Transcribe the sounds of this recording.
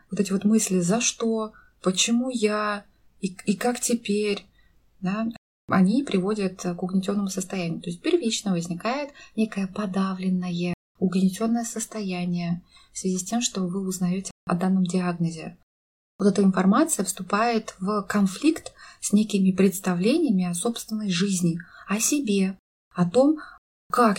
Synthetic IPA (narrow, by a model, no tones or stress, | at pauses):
vot̪ɛtʲɪvo̞t̪mɨsʲlʲɪzɐʂt̪o̞ | pət͡ɕɪmuja | iikaktʲɪpʲeɾʲ | d̪a | ɐ̰nʲipɾʲɪvo̞dʲət̪kʊɡnʲɪtʲo̞nːəmʊsəst̪ɐjænʲɪjʊt̪o̞ɪsʲt̚ʲpʲɪrvʲit͡ɕnəvəzʲnʲɪkajɪt̪nʲe̞kəjəpɐd̪avlʲɪnːəjə | ʊɡnʲɪtʲo̞nːəjəsəst̪ɐjænʲɪjə | fsvʲɪzʲisʲtʲe̞mʂt̪o̞vɨʊznɐjotʲɪɐ̰d̪anːəmdʲɪaɡnəzʲɪ̰ | vot̪ɛt̪əɪnfɐrmat̪sɨjəfst̪ʊpajɪt̪vkɐnflʲikt̪sʲnʲekʲɪmʲɪpɾʲɪt̪st̪ɐvlʲenʲɪjəmʲɪɐso̞pst̪vʲɪnːəjʐɨzʲnʲɪɐsʲɪbʲe̞ | ɐt̪o̞m | kak